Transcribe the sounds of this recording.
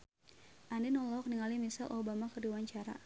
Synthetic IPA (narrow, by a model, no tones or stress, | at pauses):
ʔandinɔlɔk̚niŋalimisalʔobamakɨrdiwaɲt͡ʃaɾa̰